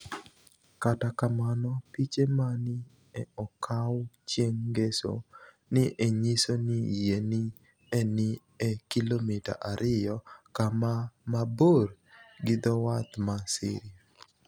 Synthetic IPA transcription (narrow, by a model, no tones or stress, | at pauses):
katakamanɔpit͡ʃemanɪ | ɛɔkʰawt͡ʃjeŋɡeso̰ | nɪʔeɲisonijenɪ | ɛnɪ | ekilomita̰ʔaɾɪjɔkamamaboɾ | ɡɪd̪ɔwat̪masɪ̰ɾ